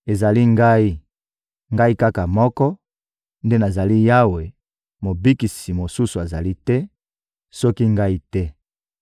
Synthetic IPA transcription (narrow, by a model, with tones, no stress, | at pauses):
e˨za˨li˦ŋɡa˦i˦ | ŋɡa˦i˦ka˦ka˨mɔ˦kɔ˦ | nde˦na˨za˨li˦ja˦we˨ | mo˨bi˦ki˨si˨mo˨su˦su˨a˨za˨li˦tɛ˦ | sɔ˦ki˦ŋɡa˦i˦tɛ˦